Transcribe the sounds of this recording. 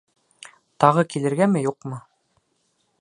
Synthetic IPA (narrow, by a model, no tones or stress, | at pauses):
t̪ɑʁɤkilɘ̆ɾɡæmɘjuqmɤ